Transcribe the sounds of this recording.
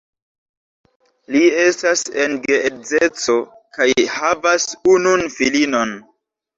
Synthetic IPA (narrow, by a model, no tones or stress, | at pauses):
lie̞stasenɡeed͡zet͡so̞ | kajhavasununfilino̞n